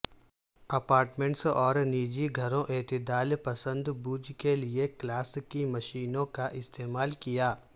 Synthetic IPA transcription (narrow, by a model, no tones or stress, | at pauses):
ɐpaːɾʈmẽɳʈsɔːɾniːd͡ʒiɡʱɐɾõʔeːt̪ɪd̪aːlpɐsə̃nd̪buːd͡ʒkelieklaːskimɐʃiːnõkaʔɪst̪eːmaːlkijaː